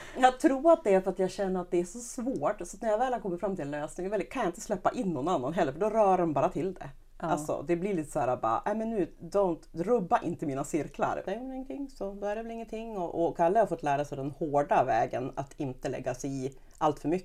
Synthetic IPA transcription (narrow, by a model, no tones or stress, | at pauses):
jɑːt̪ʰɾuːɾat̪̚d̪ɛæɾfœɾat̪jaːɡɕɛnːəɾat̪̚d̪ɛæʂɔsvoːʈsɔt̪næɾjavɛːlhaɾkʰɔmːəɾfɾamːt̪ʰɪlløːsnɪŋvɛlːkʰanjaɪnt̪əslɛpːaʔɪnːɔnːanːanɦɛlːəɾfœɖɔɾœːdɔmbɑːɾat̪ʰɪld̪ɛ̰ | alsɔ̰d̪ɛblɪliːt̪ə̥shæːɾabɑ̰ːɾa̰ʔ̪æmɛnːʉ̟ːd̪ɔʊnt̪ɾɵbːaʔɪ̰nt̪əmiːnasɪɾkla̰ɾɛnɪŋːənt̪ʰɪŋːsɔd̪hæɾɛvɛlɪŋːənt̪ʰɪŋːɔʔɔkʰalːəhaɾfɔt̪ːlæːɾasɛd̪ɛnhoːɖavɛːɡəna̰t̪ʰɪnt̪əlɛ̰ɡːasɛɪ | ʔalt̪fœɾmʏkː